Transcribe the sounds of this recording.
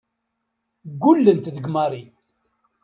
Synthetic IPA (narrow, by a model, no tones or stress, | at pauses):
ɡːulːənt̪ðəɡmaɾˤi